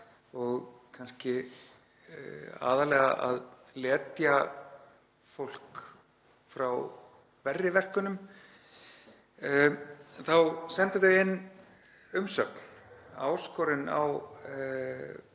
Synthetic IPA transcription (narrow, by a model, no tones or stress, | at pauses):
ɔɣkʰanscɪ | a̰ːðalɛːɣaʔa̰ð | lɛːt̪ja | fowl̥k | fɾaw | vɛrːɪvɛr̥kʏnʏm | θawsɛnt̪ɪθœɪnː | ʏmsœ̰kn̥a̰wskɔɾɪna̰w